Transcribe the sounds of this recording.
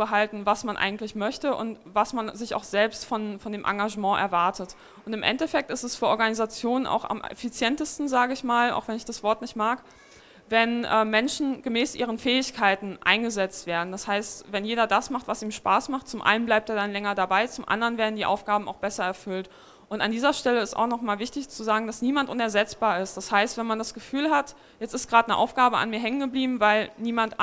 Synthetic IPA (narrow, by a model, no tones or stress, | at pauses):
bəɦaltn̩vasmanʔa̰ɪɡŋ̩tlɪçmœçtəʔʊ̰ntvasmanzɪça̰ʊxz̥ɛlpstfɔnfɔndeːmʔa̰ŋɡaʒəmɑ̃ːʔɛ̰ɐvaɐtət | ʔʊntɪmʔɛ̰ntɛfɛk̚tɪstɛsfyːɐʔɔɐɡanizat͡sjoːnənʔa̰ʊxa̰mɛ̰fit͡sjɛntəstn̩zaːɡəɪçmaːla̰ʊxv̥ɛnɪçd̥asv̥ɔɐtnɪçtmaːk | vɛnʔɛːmɛnʃn̩ɡ̥əmɛːsʔiːʁ̞ənfɛːɪçkʰaɪtn̩ʔa̰ɪnɡəzɛt͡stv̥eːɐdn̩d̥ashaɪstvɛnjeːɾɐdasmaχtv̥asiːmʃpaːsmaχtt͡sʊmʔa̰ɪnən̩blaɪp̚teːɐdanlɛŋɐdabaɪt͡sʊmʔa̰ndəʁənveːɐdn̩diːʔa̰ʊfɡ̥aːbm̩a̰ʊxb̥ɛsɐɛɐfʏlt | ʔʊnta̰ndiːzɐʃtɛləɪsta̰ʊxnɔχmaːlvɪçtɪçt͡suzaːɡŋ̩d̥asniːmantʔʊnɛɐzɛt͡sb̥aːɐɪst̚d̥ashaɪstv̥ɛnmandasɡ̥əfyːlɦat | jɛt͡stɪstɡ̥ʁaːtnəʔa̰ʊfɡ̥aːbəʔa̰nmiːɐɦɛŋənɡəbliːbm̩vaɪlniːmant